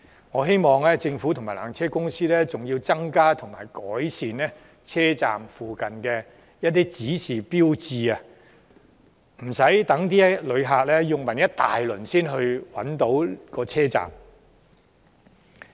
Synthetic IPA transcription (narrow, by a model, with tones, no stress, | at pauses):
ŋɔː˨˧ɦe˥jmɔː˨˧ŋlɛː˥t͡sɪ˧ŋfu˨˥t̪ʰʊ˨˩maː˨˩laː˨˩ŋt͡sʰɛː˥kʊ˥ŋsiː˥lɛ˥t͡sʊ˨ŋjiː˧wt͡sɐ˥ŋkaː˥t̪ʰʊ˨˩ŋma̰ː˨˩jkɔː˨˥jsiː˨nlɛː˥ | t͡sʰɛː˥t͡sa̰ː˨mfuː˨kɐ˨nkɛː˧ | jɐ˥t̚t̪iː˥t͡siː˨˥siː˨˩piː˥wt͡siː˨˧ɐ˧ | m̩˨˩sɐ˨˥jt̪ɐ˨˥ŋt̪̬iː˥lɵ˨˧ɥɦaː˨k̚lɛ˥jʊ˨ŋmɐ˨˩njɐ˥t̚t̪a̰ː˨jlɵ˨˩nsiː˥nɦɵ˧ɥwɐ˨˥nt̪o˨˥wkɔː˧t͡sʰɛː˥t͡sa̰ː˨m